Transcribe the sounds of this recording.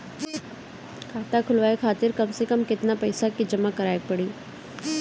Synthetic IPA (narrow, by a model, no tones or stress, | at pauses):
kʰaːt̪akʰʊlʋaːekʰaːt̪ɪɾkɐmsekɐmkɪt̪napɛːsakid͡ʒɐmakɐɾaːjɡ̚pɐɽiː